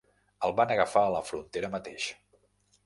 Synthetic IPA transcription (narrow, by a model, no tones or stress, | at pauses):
əlˠβanəɣəfaːləfɾunt̪eɾəmət̪eʃ